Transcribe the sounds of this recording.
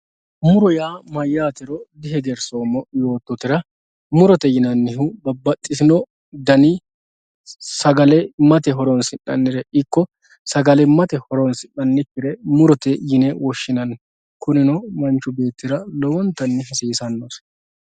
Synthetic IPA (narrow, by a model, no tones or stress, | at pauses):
mʊɾɔjaːmɐjːaːt̪ɪɾɔd̪ɪɦɛɡɛɾsoːmɔjo̞ːt̪ːɔt̪ɪɾɐ | mʊɾɔt̪ɛjɪnɐnːɪɦʊbɐbɐt̪ʼːɪsɪnɔ | d̪ɐnɪ | sɐɡɐlɛmɐt̪ɛɦɔɾɔnsɪnːɐ̰nːɪɾɛɪkːɔ | sɐɡɐlɛmɐt̪ɛhɔɾɔnsɪʔːɐnːɪkːɪɾɛmʊɾɔt̪ɛjɪnɛwɔʃːɪnɐn | kʊnɪnɔmɐnt͡ʃːʊbe̞ːt̪ːɪɾɐlɔwɔnt̪ːɐnːɪɦɐsiːsɐnːos